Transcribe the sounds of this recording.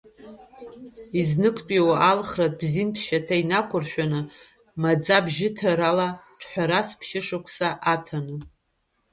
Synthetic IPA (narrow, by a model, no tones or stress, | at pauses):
iznɨkʷʰʼpʼiwaalχrat̚ʼbzinpʰʃatʰainakʷʰʊrʃᶣanɨ | mad͡zabʒɪtʰaɾalaʈ͡ʂʰħʷᶣaɾaspʰʃɪʂakʷʰsaʔatʰanɨ